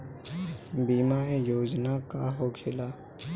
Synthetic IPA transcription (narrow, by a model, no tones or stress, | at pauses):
biːmaːejoːd͡ʒnakaɦokʰɪlaː